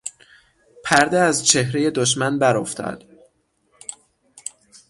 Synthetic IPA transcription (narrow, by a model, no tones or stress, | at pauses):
pʰæɾd̪eæzt͡ʃʰe̞hɾeje̞d̪oʃ̬mænbæɾoft̪ʰɒ̰d̪̥